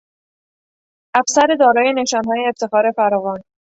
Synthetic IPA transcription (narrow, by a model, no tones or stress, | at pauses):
ʔæfsæɾe̞d̪ɒːɾɒːje̞ne̞ʃɒːnɦɒːjeːft̪e̞xɒːɾe̞fæɾɒːvɒːn